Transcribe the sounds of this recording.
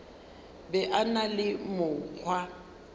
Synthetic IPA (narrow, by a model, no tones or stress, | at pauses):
bɛʔanalɪmʊk͡xʰwa